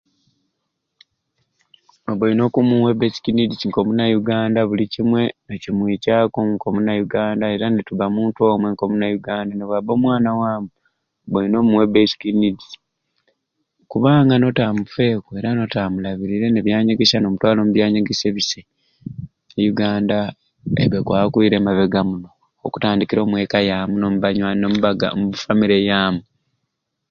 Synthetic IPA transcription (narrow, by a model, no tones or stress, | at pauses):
noβulino̞kumuwe̞besi̥kinidiiŋko̞munajuɡaːndaβulicimwe̞nocimwiːcaːkoŋko̞munajuɡaːndae̞ɾanetuβamuːnto̞ːmwe̞ŋko̞munajuɡaːndaneβwabo̞mwaːnawaːmu | βuino̞muwe̞beskinidi | kuβaːŋɡano̞tamufe̞ːkue̞ɾano̞tamulaβiɾiɾe̞neβjaːɲeɡesano̞mutwaːlo̞muβjaːɲaɡese̞βise | ejuɡaːnda | ḛβekwa̰ːβakuiɾe̞maβe̞ɡamuno̞ː | ku̥taːndikiɾo̞ːmwe̞ːkajaːmunomuβaɲwanommufamiɾejaːmu